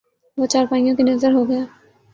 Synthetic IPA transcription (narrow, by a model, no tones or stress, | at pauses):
ʋot͡ʃaːɾpaːijõkinɐzəɾɦoɡɐjaː